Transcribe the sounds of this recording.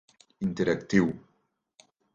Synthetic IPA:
int̪ɛɾɐkt̪iw

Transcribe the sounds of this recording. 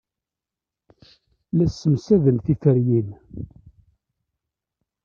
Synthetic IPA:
læsːəmsæðənθifəɾjin

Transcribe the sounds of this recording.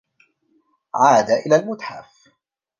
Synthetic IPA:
ʕaːd̪aʔɪlaːlmʊt̪ħa̰f

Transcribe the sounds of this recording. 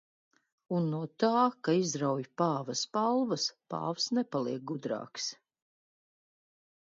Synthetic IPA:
unːuɔt̪aːkaizɾawjpaːvɐspalˠvɐspa̰ːfsnɛpalˠiɛk̚ɡud̪ɾɑ̰ːks

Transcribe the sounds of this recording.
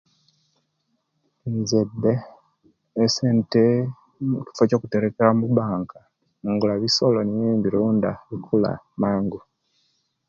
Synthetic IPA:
iɲzedːeː | seːnte | muci̥foco̞kute̞ɾekeɾamuβaːŋka | iŋɡulaβisolonijiːmbiɾuːndaβikʰula̰maːŋɡu

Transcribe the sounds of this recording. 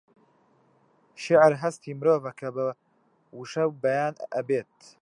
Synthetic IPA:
ʃɪʕɾɦɐst̪iːmɨɾoːvɐkʰɐbɐ | wuʃɐwbɐjaːnʔɐbeːt̪

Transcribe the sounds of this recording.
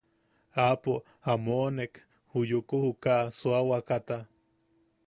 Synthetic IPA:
apo | amoʔnek | hujukuhukaʔsuawakat̪a

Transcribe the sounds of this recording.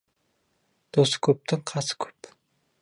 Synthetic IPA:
d̪̥oskʲʰɵp̚t̪ɪŋqʰɑsə̥kʲʰɵ̥p

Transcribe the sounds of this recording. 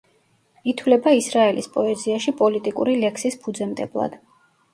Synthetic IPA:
it̪ʰwlɛbaisɾaɛlispʼɔɛziaʃipʼɔlit̪ʼikʼṵɾilɛkʰsispʰud̪zɛmt̪ʼɛblˠa̰d̪̥

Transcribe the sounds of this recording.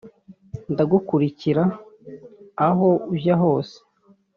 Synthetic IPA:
ndaɡukuɾiciɾa | ɦo̞uʒaɦo̞ːse̥

